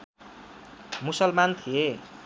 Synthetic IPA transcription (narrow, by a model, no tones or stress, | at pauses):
musʌlmant̪ʰie